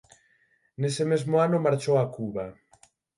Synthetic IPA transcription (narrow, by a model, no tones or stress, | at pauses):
nesɪmezmʊanʊmaɾt͡ʃowakuβa